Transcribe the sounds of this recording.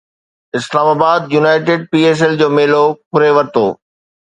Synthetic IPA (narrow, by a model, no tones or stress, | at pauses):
ɪslaːmaːbaːd̪junaːɪʈɪːɖ̚piːeːs̬ɛld͡ʑoːmeːlokʊɾeʋɐɾt̪o̰ː